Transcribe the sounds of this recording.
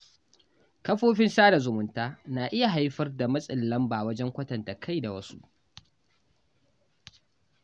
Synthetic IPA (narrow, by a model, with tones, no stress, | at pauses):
kɐ˦ɸoː˦ɸɪ˦nsaː˦da˨zʊ˨mʊ˨ntaː˦naː˨ʔɪ˦ja˨ɦa˦jɸɐ˦rda˨mɐ˦sʼɪ˨lːɐ˦mbaː˨wɐ˦d͡ʒɛ˦ŋkʷɐ˦tɐ˨nta˨kʰa˦jda˨wɐ˦sṵ˦ʔ